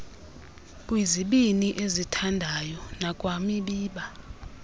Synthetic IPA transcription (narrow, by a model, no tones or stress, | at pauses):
k̬ʼwiziɓiniʔezitʰandʱajɔnak̬ʼwamiɓiːɓa